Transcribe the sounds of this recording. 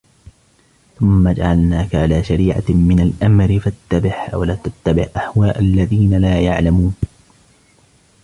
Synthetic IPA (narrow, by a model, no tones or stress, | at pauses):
θʊmːad͡ʒa̰ʕalnaːkaʕalaːʃaɾiːʕa̰mɪnalʔamɾɪfat̪ːabɪħwalaːt̪at̪ːabɪhʔahwaːʔalːaðiːnalaːjaʕlamuːn